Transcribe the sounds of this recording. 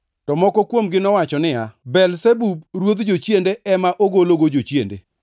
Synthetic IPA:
tɔmɔkɔkwomɡɪnɔwat͡ʃɔnɪjabɛlsebubɾwod̪d͡ʒot͡ʃjendeʔɛmaʔoɡoloɡod͡ʒot͡ʃjendḛ

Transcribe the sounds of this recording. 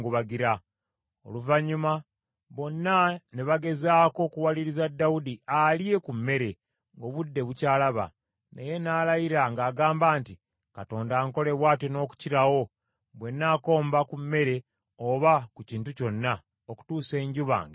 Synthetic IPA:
ɡuβaɡiɾa | o̞̰luvaɲuma | βo̞nːaneβaɡe̞zaːko̞kuwaliɾizadːawudialje̞kumːe̞ɾe̞ | ŋɡo̞βudːe̞βucaːlaβa̰ | neje̞naːlajiɾaŋɡaːɡaːmbaːnti | kato̞ːndaːŋko̞le̞βwaːtjono̞ːku̥ciɾawo̞ | βwe̞nːaːko̞ːmbakumːe̞ɾe̞ | oβakuciːntuco̞nːa | oku̥tuːse̞ːɲɟuβa̰ːŋɡe

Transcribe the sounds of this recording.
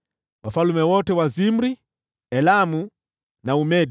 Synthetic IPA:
wʔafalumɛwɔtɛwazim̩ɾi | ɛlamu | naumɛd

